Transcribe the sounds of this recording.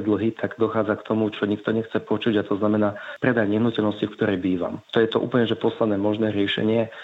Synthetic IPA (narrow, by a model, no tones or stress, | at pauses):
d̪l̩ɦit̪ʰaɡd̪ɔxaːd͡zakt̪ɔmut͡ʃɔɲikt̪ɔɲɛxt͡sɛpɔt͡ʃuɟat̪ɔznamɛnaːpɾɛd̪ajɲɛɦnucɛlnɔscifkt̪ɔɾɛjbiːʋa̰mt̪ɔjɛt̪ɔʔṵːpl̩ɲɛʒɛpɔslanɛːmɔʒnɛːɾɪɛʃɛ̰ɲɪɛ